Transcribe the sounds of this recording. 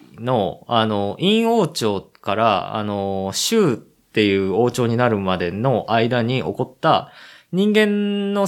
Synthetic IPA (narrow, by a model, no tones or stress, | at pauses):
no̞ano̞ʔĩɰ̃o̞ːt͡ɕo̞ːkaɾa̰a̰no̞ɕɯː | t̪ːe̞jɯ̟ːo̞ːt͡ɕo̞ːɲ̟inaɾɯ̟mad̪e̞no̞ʔaid̪aɲ̟iʔo̞̰ko̞t̪ːaɲ̟ĩŋɡẽ̞nːo̞